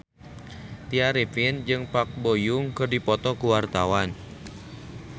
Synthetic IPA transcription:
t̪iaɾipind͡ʒɨŋpak̚bojuŋkɨrdipɔt̪ɔkuwart̪awan

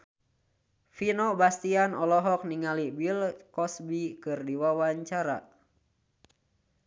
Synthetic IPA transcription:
finɔbast̪ianɔlɔɦɔk̚niŋalibilkɔsbikɨrdiwawaɲt͡ʃaɾa̰

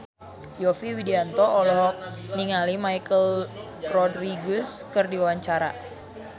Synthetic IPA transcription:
jɔfiwidiant̪ɔʔɔlɔɦɔk̚niŋalimajkəl | rɔdɾiɡʊskərdiawaɲt͡ʃaɾa̰

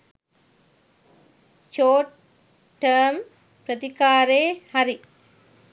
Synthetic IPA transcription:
t͡ʃoːʈ | ʈːɐːm | pɾɐd̪ikaːɾeːhɐɾi

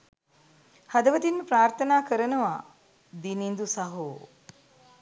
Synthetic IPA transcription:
had̪əʋət̪inməpɾaːrt̪ʰənaːkəɾənəʋa | d̪inind̪usaɦoː

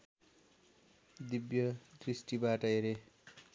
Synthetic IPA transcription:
d̪ibjʌd̪risʈibaʈʌjɾe

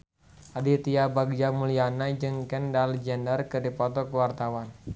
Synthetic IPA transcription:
adit̪iabaɡd͡ʒamulianad͡ʒɨŋkɛndalɛd͡ʒɛndərkɨrdipɔt̪ɔkəwart̪awan

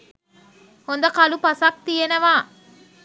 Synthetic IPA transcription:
hond̪ɐkɐlupɐsɐk̚t̪ijenɐʋaː

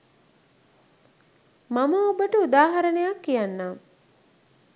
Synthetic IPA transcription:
maməobəʈəud̪aːɦaɾənejakːijanːaː

